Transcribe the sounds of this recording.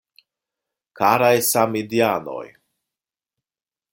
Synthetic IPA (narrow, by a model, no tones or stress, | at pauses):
kaɾajsamid̪jano̰j